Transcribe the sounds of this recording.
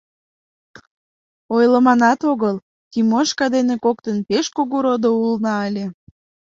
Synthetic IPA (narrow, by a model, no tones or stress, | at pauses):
ojləmɑnɑt̪oɣəl | t̪ʲimoʃkɑd̪enekokt̪ənpeʃkoɣuɾod̪oulnɑəlʲe